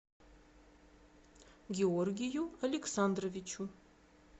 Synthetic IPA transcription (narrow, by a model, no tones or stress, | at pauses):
ɡʲeɔrɡʲijualeksand̪rovit͡ʃʰu